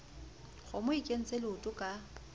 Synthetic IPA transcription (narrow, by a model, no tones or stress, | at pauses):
ɣʊmʊikʼen̩t͡sʼelɪʊtʼʊkʼa